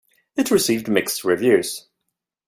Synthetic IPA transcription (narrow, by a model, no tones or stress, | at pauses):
ɨtʰɹɨsivdmɪksɹɪvjʉz̥